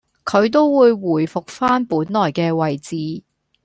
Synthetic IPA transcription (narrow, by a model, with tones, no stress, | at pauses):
kʰɵ˨˧ɥt̪̬o˥wwuː˨˧jwuː˨˩jfʊ˨k̚faː˥npuː˨˥nlɔː˨˩jkɛː˧wɐ˨jt͡siː˨˥